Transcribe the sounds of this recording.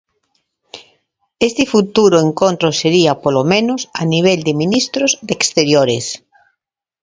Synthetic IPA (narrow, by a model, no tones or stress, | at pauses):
est̪ɪfut̪uɾoeŋkont̪ɾoseɾiapolomẽnosaniβ̞eld̪ɪmĩnist̪ɾozd̪ekst̪eɾjoɾes